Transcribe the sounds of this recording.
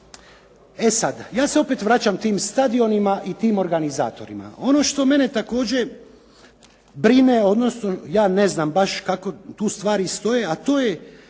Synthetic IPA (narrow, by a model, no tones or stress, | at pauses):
esad̪jaːse̞o̞pet̪ʋɾat͡ɕamt̪iːmst̪ad̪io̞nimaʔit̪iːmo̞ɾɡaniza̰ːt̪o̞̰ɾḭma̰o̞no̞ʃt̪o̞me̞net̪ako̞ːd͡ʑe̞ | bɾineo̞d̪no̞sno̞jaːne̞znaːmbaʃkako̞t̪uːst̪ʋaːɾist̪o̞jeat̪o̞ːje̞